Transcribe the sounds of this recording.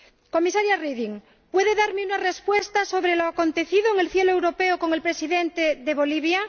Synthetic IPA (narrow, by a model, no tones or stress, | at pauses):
ko̞misaɾjariðiŋ | pweðeðaɾmeunare̞spwest̪aso̞β̞ɾeloako̞nt̪e̞θiðoeŋelθjeloe̞wɾopeoko̞ŋelpɾe̞siðent̪eðeβoliβ̞ja